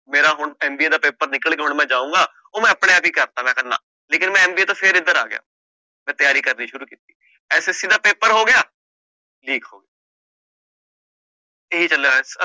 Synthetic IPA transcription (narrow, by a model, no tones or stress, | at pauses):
meːɾaːɦʊɳɛːmbiːeːd̪aːpeːpəɾnɪkəlkeːɦʊɳmɛ̃ːd͡ʒaːũːɡaː | oːmɛ̃ːəpɽejaːpiːkəɾt̪aːmɛ̃ːkəna̰ː | leːkɪnmɛ̃ːɛːmbiːeːt̪õːpʰɪɾɪd̪əɾa̰ːɡɪja̰ː | mɛ̃ːt̪əjaːɾiːkəɾniːʃʊɾuːkiːt̪iː | ɛːsesiːd̪aːpeːpəɾɦoːɡɪjaː | liːkɦo̰ːɡɪa | eɦit͡ʃəleɛs